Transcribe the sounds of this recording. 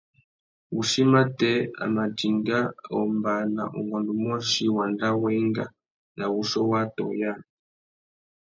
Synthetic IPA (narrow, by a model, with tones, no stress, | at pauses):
u˨ʃi˦ma˦tɛ˦a̰˨ma˨d͡ʒi˨ŋɡa˦ɔ̰˨mba˨na̰˨ʔṵ˨ŋɡɔ˨ndu˨mɔ˦ʃi˦wa˨nda˦wɛ˦ŋɡa˨ | na˨wu˦ʃɔ˦wa˦tɔ̰˨ja˦